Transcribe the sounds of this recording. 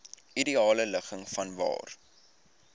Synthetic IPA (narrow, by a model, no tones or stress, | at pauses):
idiɑːlələχəŋfɐnvɑ̰ːr